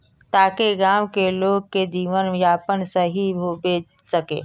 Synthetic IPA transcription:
t̪aːkeɡaːwkeloːɡ̚ked͡ʒiːʋənjaːpənsəɦibobeː | səkḛː

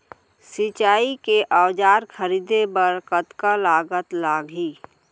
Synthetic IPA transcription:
sit͡ʃaːikeʔəwd͡ʒaːɾkʰəɾiːd̪ebəɾkət̪kalaːɡət̪laːɡʱiː

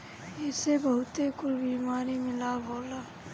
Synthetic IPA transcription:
ɪsebɐɦʊt̪ekʊlbiːmaːɾimɪlaboːlaː

